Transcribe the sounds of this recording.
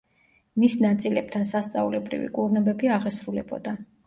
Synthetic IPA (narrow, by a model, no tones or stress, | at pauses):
misnat̪sʼilɛp̚t̪ʰansast̪sʼaulɛbɾḭvḭkʼuɾnɛbɛbiaʁɛsɾulɛbɔ̰d̪a